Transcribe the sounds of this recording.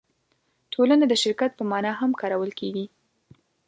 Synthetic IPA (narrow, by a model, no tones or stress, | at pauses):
tʰolanad̪əʃɪɾkat̪̚pəmɑnɑɦamkɑɾawəlkeɡi